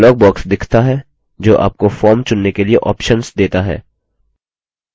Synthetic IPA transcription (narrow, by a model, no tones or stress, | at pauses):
lɔːɡ̚bɔːksd̪ɪkʰt̪aɦɛː | d͡ʒoːʔa̰ːp̚kofɔːɾmt͡ʃʊnːekelieʔɔ̰ːpʃənsd̪eːt̪aɦɛ̰ː